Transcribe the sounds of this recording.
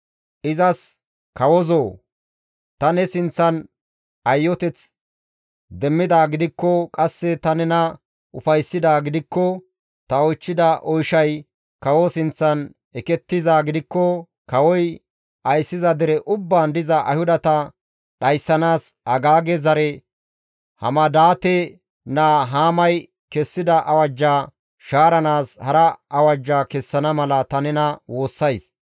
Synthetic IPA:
ʔɪzɐs | kɐwɔzoː | t̪ɐnɛsɪnt͡sːɐn | ɐjːɔt̪ɛt͡s | d̪ɛmːɪd̪aːɡɪd̪ɪkːɔkʼɐsːɛt̪ɐnɛnɐ | ʊfɐjsːɪd̪aːɡɪd̪ɪkːɔ | t̪ɐɔjt͡ʃːɪd̪ɐʔɔjʃɐj | kɐwɔsɪnt͡sːɐn | ɛkɛt̪ːɪzaːɡɪd̪ɪkːɔ | kɐwɔj | ɐjsːɪzɐd̪ɪɾɛʔʊbːaːnd̪ɪzɐʔɐ̰jhʊd̪ɐt̪ɐ | ɗɐjsːɐnaːsɐɡaːɡɛzɐɾɛ | hɐ̰mɐd̪aːt̪ɛ | naːɦaːmɐj | kɛsːɪd̪ɐʔɐwɐd͡ʒːaː | ʃaːɾɐnaːshɐɾɐɐwɐd͡ʒːaːkɛsːɐnɐmɐlɐt̪ɐnɛnɐwo̞ːsːɐjs

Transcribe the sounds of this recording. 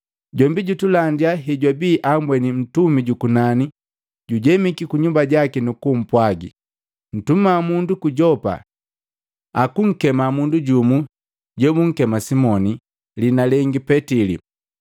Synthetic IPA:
ɟɔmbiɟutulandiaɦiɟwabiːʔambwɛnin̩tumiɟukunani | ɟuɟɛmikikuɲumbaɟakinukum̩pwaɡḭ | n̩tumamundukuɟɔpa̰ | akuŋ̩kɛmamunduɟumu | ɟɔmuŋ̩kɛmasimɔni | linalɛŋɡipɛtilḭ

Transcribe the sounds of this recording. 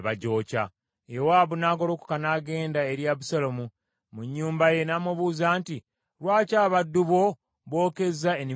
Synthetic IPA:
βaɟo̞ːca̰ | jewaːβunaːɡolo̞ku̥kanaːɡe̞ːndae̞ɾjaβusalomu | muɲːuːmbaje̞naːmuβuːzaːnti | ɾwaːcaːβadːuβo̞ | βo̞ːke̞zaeni

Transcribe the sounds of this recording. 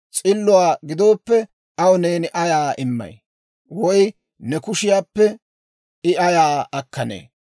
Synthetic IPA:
t͡sʼɪlːʊwaːɡɪd̪o̞ːpːɛ | ɐwʊneːnɪʔɐjaːʔɪmːɐ̰j | wɔj | nɛkʊʃɪjaːpːɛ | ɪɐjaːɐkːɐnḛː

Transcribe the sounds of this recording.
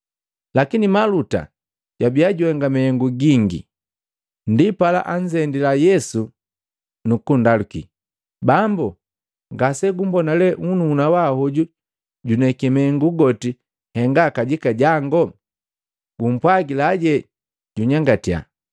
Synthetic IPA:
lakinimaluta̰ | ɟ̥wabiaɟuwɛŋɡamɛɛŋɡuɡiŋɡḭ | ndipala̰ʔaɲd͡ʒɛndilajɛsu | nukundalukḭ | bambu | ŋɡasɛɡumbɔnalɛŋunuːnawahɔɟu | ɟunɛkɛmɛŋɡuɡɔti | hɛŋɡakaɟikaɟaŋɡɔ | ɡum̩pwaɡilaːɟɛ | ɟuɲaŋɡatia̰

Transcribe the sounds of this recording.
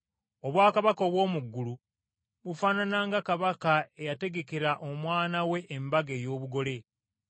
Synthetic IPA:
oβwaːkaβakoβwo̞ːmuɡːulu | βufaːnanaːŋɡakaβakae̞jate̞ɡe̞ke̞ɾaʔo̞mwaːnawe̞ʔːmbaɡe̞ːjo̞ːβuɡo̞le̞

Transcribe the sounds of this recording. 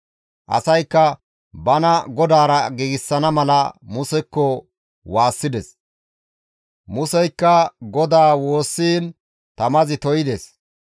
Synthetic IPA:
ʔɐ̰sɐjkːɐ | bɐnɐɡɔd̪aːɾɐɡiːɡɪsːɐnɐmɐlɐmʊsɛkːɔ | waːsːɪd̪ɛs | mʊsɛjkːɐɡɔd̪aːwo̞ːsːiːn | t̪ɐmɐzɪt̪ɔjɪd̪es

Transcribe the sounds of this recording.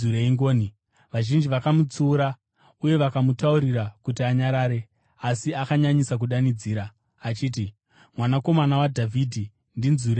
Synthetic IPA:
uɾeiŋɡoːni | ʋaʒind͡ʒiʋakamut͡suːɾa | uje̞ʋakamutauɾiɾakutiaɲaɾaːɾe̞ | asiakaɲaɲisak̬uɗanid͡ziːɾaː | t͡ʃiːt̬i | mwanako̞manawadʱavʱiːdʱi | ndinzuɾe

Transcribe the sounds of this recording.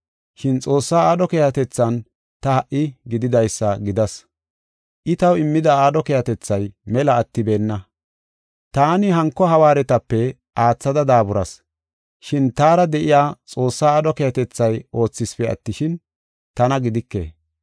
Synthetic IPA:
ʃɪnt͡sʼo̞ːsːaːaːd̪ɔkeːhɐt̪ɛt͡sːɐn | t̪ɐhɐʔːɪɡɪd̪ɪd̪ɐjsːɐɡɪd̪ɐs | ʔɪt̪ɐwɪmːɪd̪ɐaːd̪ɔkeːhɐt̪ɛt͡sːɐjmɛlɐːt̪ːɪbe̞ːnːɐ | t̪aːnɪɦɐŋkːɔɦɐwaːɾɛt̪ɐpːɛ | ʔaːt͡sːɐd̪ɐd̪aːbʊɾɐ̰s | ʃɪnt̪aːɾɐd̪ɛʔɪjaːt͡sʼo̞ːsːaːaːd̪ɔkeːhɐt̪ɛt͡sːɐjo̞ːt͡sːɪspɛɐ̰t̪ːɪʃɪn | t̪ɐnɐɡɪd̪ɪkːḛː

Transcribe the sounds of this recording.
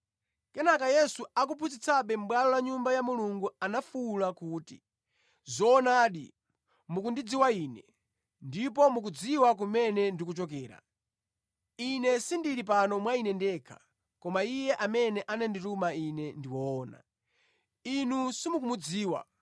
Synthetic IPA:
kɛnakajɛsuak̬upʰut͡sit͡sʰaɓɛm̩ɓwalɔlaɲumbajamuluŋɡuanafuːlakuːti | zɔːnaːɗḭ | muk̬undid͡ziwaiːnɛ | ndip̬ɔmuk̬ud͡ziwak̬umɛnɛndikut͡ʃɔk̬ɛːɾa̰ | inɛsindiɾip̬anɔmwainɛndɛkʰḁ̰ | kɔmaijɛʔamɛnɛʔanɛnditumainɛndiwɔːna̰ | inusimuk̬umud͡ziːwa̰

